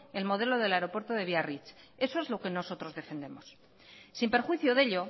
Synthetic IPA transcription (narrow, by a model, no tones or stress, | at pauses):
e̞lmo̞ð̞e̞lo̞ð̞e̞laeɾo̞pwe̞ɾt̪oðe̞βiarit͡ʃ | e̞so̞e̞zlo̞ke̞no̞so̞t̪ɾo̞zðe̞fe̞nd̪e̞mo̞s | simpe̞ɾxwiθjoðe̞ʎo̞